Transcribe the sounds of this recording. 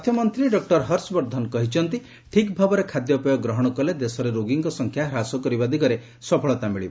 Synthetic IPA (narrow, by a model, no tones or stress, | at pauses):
t̪ʰjɔmɔnt̪ɾiɖɔk̚ʈɔɾɦɔɾsɔbɔɾd̪ʱɔnɔkɔɦit͡ʃʰɔnt̪i | ʈʰikbʱabɔɾekʰad̪jɔpɔjɔɡɾɔɦɔɽ̃ɔkɔled̪esɔɾeɾoɡiŋkɔsɔŋkʰjaɦɾasɔkɔɾibad̪ʱikɔɾe | sɔpʰɔɭɔt̪amiɭiba